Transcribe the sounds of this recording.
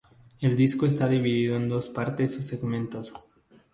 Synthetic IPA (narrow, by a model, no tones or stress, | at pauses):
e̞ld̪iskoest̪aðiβiðiðoend̪o̞spaɾt̪esuseɣmẽ̞nt̪os